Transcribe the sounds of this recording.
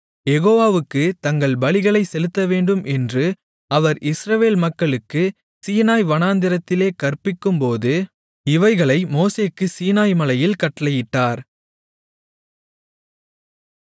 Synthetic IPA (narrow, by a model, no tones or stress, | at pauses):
jɛɣoːʋaːʋɯkːɯt̪ɐŋɡɐɭbɐɭɪɣɐɭɐɪsɛlɯt̪ːɐʋeːɳɖɯmʔɛndrɯ | ɐʋɐɾɪsɾɐʋeːlmɐkːɐɭɯkːɯ | siːnaːjʋɐnaːnd̪ɪɾɐt̪ːɪleːkɐrpɪkːɯmpoːðɯ | ɪʋɐɪɣɐɭɐɪmoːseːkːɯsiːnaːjmɐlɐjɪlkɐʈːɐlɐjɪʈːaːɾ